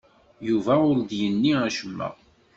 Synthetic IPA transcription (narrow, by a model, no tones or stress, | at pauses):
juvæʊɾd̪jənːiæʃəmːæ̰